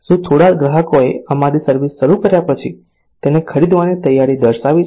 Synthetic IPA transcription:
sũt̪ʰoɽaɡɾəɦəkoeəmaɾisəɾʋisːəɾukəɾjapət͡ʃʰi | t̪enekʰəɾid̪ʋanit̪əjːaɾid̪əɾʃaʋi

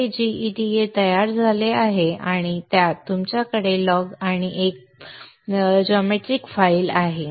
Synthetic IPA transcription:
ed͡ʑiiʈiet̪əjaɾd͡zʱaleaɦeaɽ̃it̪jat̪ːumt͡ɕjakəɽelɔɡaɽ̃iʔek̚ | d͡ʑɔmeʈɾikfailaɦe

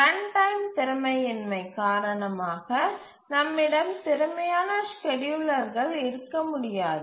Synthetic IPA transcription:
t̪ɐɳʈɐɪmt̪ɪɾɐmɐɪɛnmɐɪkːaːɾɐɳɐmaːɣɐ | nɐmːɪɽɐmt̪ɪɾɐmɐjaːnɐskɛɽjʊɭɐɾɣɐɭɪɾɯkːɐmʊɽɪjaːðɯɯ

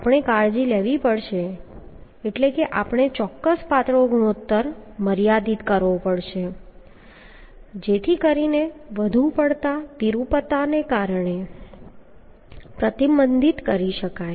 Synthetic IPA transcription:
apɳ̃ekaɭd͡ʒileʋipəɽʃe | eʈlekeʔapɳ̃et͡ʃɔkːəspat̪ɾoɡuɳot̪ːəɾməɾjad̪it̪kəɾʋopəɽʃe | d͡ʒet̪ʰikəɾineʋəd̪ʱũpəɽt̪at̪iɾupət̪anekaɾɳe | pɾət̪ibənd̪it̪kəɾiʃəkaj

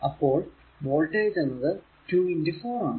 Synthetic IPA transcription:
ɐpːo̞ːɭ | ʋoːɭʈejd͡ʑɐnːɐðɨ | tuːindifoːaːɳɨ

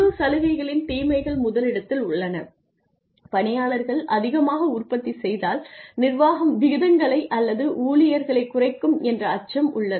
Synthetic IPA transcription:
ɯsɐlɐɣɐɪɣɐɭɪnt̪iːmɐɪɣɐɭmʊðɐlɪɽɐt̪ːɪlʊɭːɐnɐ | pɐnɪjaːɭɐɾɣɐɭʔɐðɪɣɐmaːɣɐʊrpɐt̪ːisɛjðaːlnɪrʋaːɣɐmʋɪɣɪðɐŋɡɐɭɐɪʔɐlːɐðɯʔuːlɪjɐɾɣɐɭɐɪkːʊrɐɪkːɯmɛndrɐːt͡ʃːɐmʔʊɭːɐ

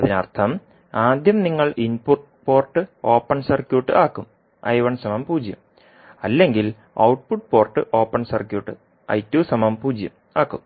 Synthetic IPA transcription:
ɐðinɐ̰rt̪ʰɐm | aːd̪jɐmniŋːɐɭʔinpurʈ | po̞ːrʈːɨo̞ːpːɐɳsɐrkjuːʈːɨʔaːkːum | ɐ̰jʋɐɳsɐmɐmpuːd͡ʑjɐ̰m | ɐlːe̞ŋɡil | ɐ̰wʈpuʈ̚po̞ːrʈːɨʔo̞ːpːɐɳsɐrkjuːʈːɨ̰ | ɐ̰jtːuːsɐmɐmpuːd͡ʑjɐm | aːkːum

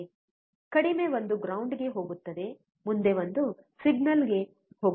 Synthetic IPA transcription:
kɐɽime̞ʋond̪uɡɾɐwɳɖɡe̞ɦo̞ːɡut̪ːɐd̪e̞ | mund̪e̞ʋɐnd̪usiɡnɐlɡe̞ | ho̞ːɡ

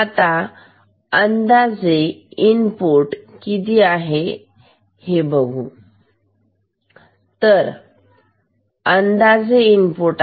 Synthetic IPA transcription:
at̪a | ənd̪ad͡zeinpoɾʈkit̪iːaɦe | hebəɡʱu | t̪əɾ | ənd̪ad͡zeinpoɾʈ

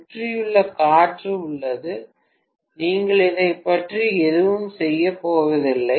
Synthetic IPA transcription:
ʈrɪjɯɭːɐkaːʈrɯʊɭːɐðɯ | niːŋɡɐɭɪðɐɪpːɐʈriɛðɯʋɯmsɛjːɐpoːʋɐðɪlːɐ

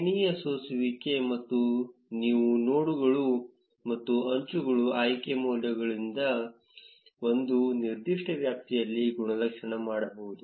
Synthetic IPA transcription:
ɳijɐsoːsiʋike̞mɐt̪ːuniːʋunoːɽuɡɐɭu | mɐt̪ːuɐɲt͡ʃuɡɐɭuaːjkemoːljɐɡɐɭind̪ɐ | o̞nd̪uniɾd̪iʂʈɐʋjaːp̚t̪ijɐlːiɡuɳɐlɐkʂɐɳɐmaːɽɐbɐʋud̪u

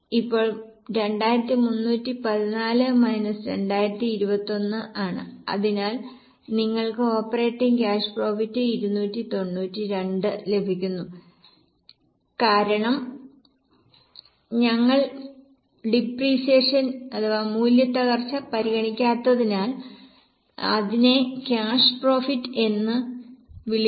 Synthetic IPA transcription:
ipːo̞ːɭɾe̞ɳɖaːjiɾɐt̪ːimunːuːtːipɐðinaːlɨmɐjnɐsɨɾe̞̰ɳɖaːjiɾɐt̪ːiːɾubɐt̪ːo̞nːɨʔaːɳɨ̰ɐ̰ðinaːl | niŋːɐɭkɨo̞ːpːɐre̞ːʈːiŋkʲaːʂpro̞ːfitːɨiɾunːuːtːit̪o̞nːuːtːiɾe̞ɳɖɨle̞bʱikʲːunːu | kaːɾɐɳɐm | ɲɐŋːɐɭ | ɖipriːseːʂɐnɐðɐʋamuːljɐt̪ːɐɣɐrt͡ɕːɐpɐɾiɣɐɳikʲːaːt̪ːɐðinaːl | ɐ̰ðine̞kʲaːʂɨ̥pro̞ːfitːe̞nːɨʋiɭi

